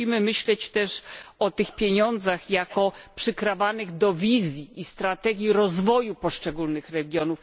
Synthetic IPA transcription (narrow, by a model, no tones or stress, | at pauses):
imɘmɘɕlɛt͡ɕt̪ɛʂɔt̪ɘxpʲjeɲɔnd̪zaxjakɔpʂɘkɾavanɘɣd̪ɔvʲizʲjiʔːst̪ɾat̪ɛɡʲjiɾɔzvɔjupɔʂt͡ʂɛɡulnɘxɾɛɡʲjɔnuf